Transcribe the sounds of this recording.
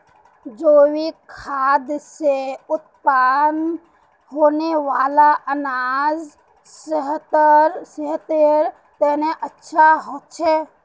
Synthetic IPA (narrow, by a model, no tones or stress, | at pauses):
d͡ʒoːwikʰaːd̪seʊt̪̚paːn | ɦoːneʋaːlaʔənaz | səɦt̪əɾsəɦt̪eɾ | t̪ɛːneʔətːʃʰaɦoːt̪t͡ʃʰɛː